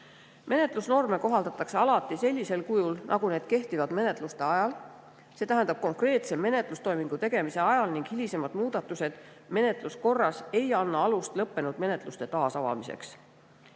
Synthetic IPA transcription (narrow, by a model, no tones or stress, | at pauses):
mʔe̞ne̞t̪ˑlusno̞rme̞ko̞ɦɑld̪̥ɑt̪ːˑɑkse̞ɑlɑt̪ːˑise̞lʲːise̞lkujulnʔɑ̰ɡune̞ːd̪̥̚ke̞ht̪ivɑd̪̥me̞ne̞t̪ˑlust̪e̞ɑjɑl | se̞ːt̪æɦæ̃nd̪ɑb̥̚ko̞ŋkre̞ːt̪se̞mːe̞ne̞t̪ˑlust̪o̞jmiŋɡ̥ut̪e̞ɡ̥e̞mise̞ɑjɑlniŋɡ̥hilise̞mɑd̪muːd̪̥ɑt̪ːˑuse̞d̪̥ | me̞ne̞t̪ˑlusko̞rːɑse̞jɑnːɑɑlust̪lɤpːe̞nud̪̥me̞ne̞t̪ˑlust̪e̞t̪ɑːsɑvɑ̰mise̞̰ks